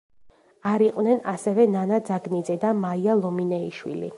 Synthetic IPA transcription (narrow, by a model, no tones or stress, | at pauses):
aɾiqʼwnɛnasɛvɛnanad̪zaɡnid̪zɛd̪amaialˠɔminɛiʃwḭlḭ